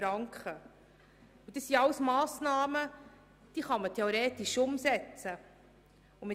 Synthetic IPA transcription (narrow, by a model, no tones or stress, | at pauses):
ɾɑŋkχə | ud̥̪əsːiɑwsmɑːsnɑːmə | d̥iːχɑmətʰɛoɾeːt̪iʃʊmsɛt͡sə | umɪ